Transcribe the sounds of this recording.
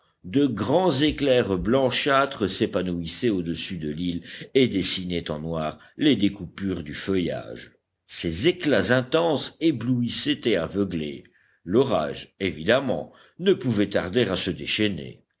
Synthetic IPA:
d̪əɡʁɑ̃zeklɛʁblɑ̃ʃat̪χəsepanuisɛod̪əsyd̪əliled̪esinɛt̪ɑ̃nwaʁ | led̪ekupyʁd̪yfəja̰ʒ | sezeklazɛ̃t̪ɑ̃sebluisɛt̪eavəɡlḛ | lɔʁa̰ʒevid̪amɑ̰̃ | nəpuvɛt̪aʁd̪eʁasəd̪eʃɛnḛ

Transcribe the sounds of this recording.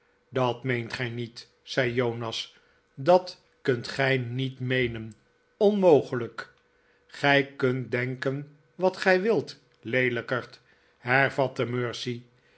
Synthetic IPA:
dɑtmejntχɛjnit | sɛjjownɑs | dɑt | kɵntχɛjnitmejnən | ɔnmowχələk | χɛjkɵntdɛŋkən | ʋɑtχɛjʋɪlˠt | lejləkəɹt | ɦɛɹvɑtəmøːɹsi

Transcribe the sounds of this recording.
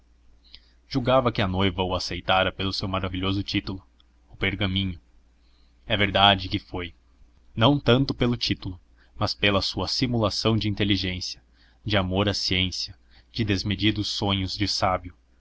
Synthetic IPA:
ʒ̥uɡavɐkɪɐnojvɐʊasejt̪aɾɐpelʊsewmaɾaviʎozʊt͡ʃit̪ulʊ | ʊpeɾɡɐmĩɲʊ | ɛveɾd̪ad͡ʒɪkɪfoj | nɐ̃w̃t̪ɐ̃nt̪ʊpelʊt͡ʃit̪ʊlʊ | mɐspelɐsuɐsimulasɐ̃w̃d͡ʒɪĩnt̪eliʒẽsijɐ | d͡ʒɪamoɾɐsiẽsiɐ | d͡ʒɪd̪ezmed͡ʒid̪ʊsːõɲʊzd͡ʒɪsabjʊ

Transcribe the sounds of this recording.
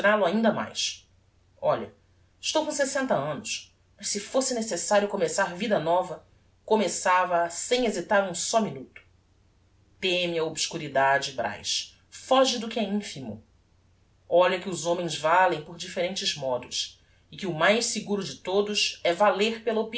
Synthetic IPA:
t̪ɾalʊaĩnd̪ɐma̰js | ɔʎɐ̰ | ɪʃt̪owkõsesẽnt̪ɐɐ̃nʊʃ | mɐʃsɪfosɪnesesaɾjʊkomesaɾvid̪ɐnɔvɐ | komesavɐːsẽj̃ezit̪aɾũsɔminut̪ʊ̥ | t̪emɪɐobsʃkuɾid̪ad͡ʒɪbɾa̰jʃ | fɔʒɪd̪ʊkɪɛĩfimʊ̰ | ɔʎɐkɪʊzõmẽj̃zvalẽj̃poɾd͡ʒifeɾẽnt͡ʃɪzmɔd̪ʊs | ɪkɪʊmajʃsɪɡuɾʊd͡ʒɪt̪od̪ʊsɛvaleɾpelɐopi

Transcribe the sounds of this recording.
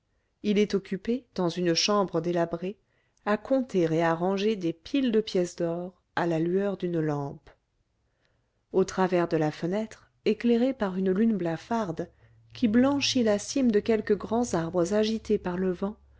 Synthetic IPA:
ilɛt̪ɔkʲyped̪̥ɑ̃zynəʃɑ̃bʁəd̪elabʁe | akʰɔ̃t̪eʁeaʁɑ̃ʒed̪epʰild̪əpjɛsd̪ɔʁ | alalyœʁd̪ynlɑ̃p | ot̪χavɛʁd̪əlafənɛt̪χ | ekleʁepaʁynlynblafaʁd̪ | kʲiblɑ̃ʃilasimd̪əkʲɛlkəɡʁɑ̃zaʁbʁəzaʒit̪epaʁləvɑ̃

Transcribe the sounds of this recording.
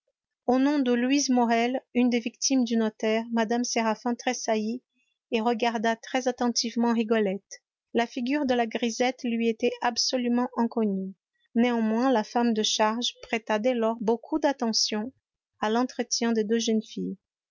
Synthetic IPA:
onɔ̃d̪əlwizmɔʁɛlynd̪evikt̪imd̪ynɔt̪ɛʁmad̪amseʁafɛ̃t̪χesaji | eʁəɡaʁd̪at̪χɛzat̪ɑ̃t̪ivmɑ̃ʁiɡɔlɛt̪ | lafiɡʲyʁd̪əlaɡʁizɛt̪lɥiet̪ɛabsɔlymɑ̃ʔɛ̃kɔny | neɑ̃mwɛ̃lafamd̪əʃaʁʒpχɛt̪ad̪ɛlɔʁbokʰud̪at̪ɑ̃sjɔ̃ | alɑ̃t̪χət̪jɛ̃d̪ed̪øʒənfij

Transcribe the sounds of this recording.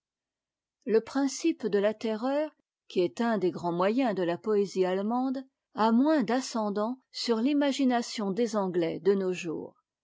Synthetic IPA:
ləpχɛ̃sipd̪əlat̪ɛʁœːʁ | kʲiɛt̪ɛ̃d̪eɡʁɑ̃mwajɛ̃d̪əlapɔezialmɑ̃d̪ | amwɛ̃d̪asɑ̃d̪ɑ̃syʁlimaʒinasjɔ̃d̪ezɑ̃ɡlɛd̪ənoʒṵːʁ

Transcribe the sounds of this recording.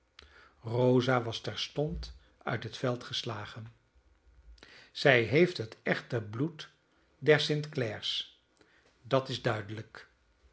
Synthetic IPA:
rowzaːʋɑstɛɹstɔnt | œ̰ɥtɦətfɛlˠtχəslaːχən | z̥ɛjɦejftɦətɛχtəblut | dɛɹsɪntklɛɹs | dɑtɪzdœɥdələk

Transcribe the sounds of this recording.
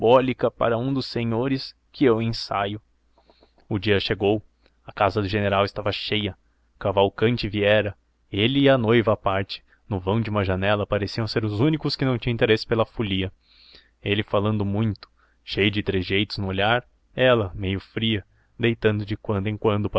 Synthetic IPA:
bɔlikɐpa̰ɾɐũd̪ʊsːeɲoɾɪs | kʰɪewẽsa̰jʊ | ʊd͡ʒiɐʃeɡow | ɐkazɐd̪ʊʒeneɾawɪst̪avɐʃejɐ | kavawkɐ̃nt͡ʃɪviɛɾɐ | elɪːɐnojvɐːpaɾt͡ʃɪ̥ | nʊvɐ̃w̃d͡ʒɪũmɐʒɐnɛlɐpaɾesiɐ̃w̃seɾʊzũnikʊskɪnɐ̃w̃t͡ʃĩɐ̃ĩt̪eɾesɪ̥pelɐfuliɐ | elɪfalɐ̃nd̪ʊmũj̃t̪ʊ̥ | ʃejʊd͡ʒɪt̪ɾezʒejt̪ʊznʊoʎaɾ | ɛlɐmejʊfɾiɐ | d̪ejt̪ɐ̃nd̪ʊd͡ʒɪkwɐ̃nd̪ʊẽkwɐ̃nd̪ʊp

